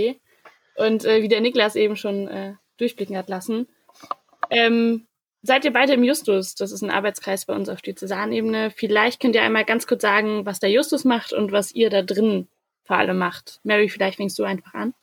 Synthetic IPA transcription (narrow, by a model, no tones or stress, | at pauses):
ʔʊntʔɛːviːdeːɐnɪklasʔeːbm̩ʃoːnʔɛːd̥ʊɐçb̥lɪkŋ̩hatlasn̩ | ʔɛːm | zaɪtiːɐbaɪdəɪmjʊstʊsd̥asɪstnʔa̰ɐbaɪt͡skʁ̥aɪsb̥aɪʔʊnsaʊfd̥eːt͡sɛzaːɐnʔeːbənəfɪlaɪçt̚kʰœntiɐʔaɪnmaːlɡant͡skʰʊɐt͡sz̥aːɡŋ̩vasd̥aːɐjʊstʊsmaχtʊ̰ntv̥asʔiːɐdaːdʁɪnn | foɐʔa̰ləmːaχtmɛʁifɪlaɪçtfɛŋkstz̥uːaɪnfaχʔa̰n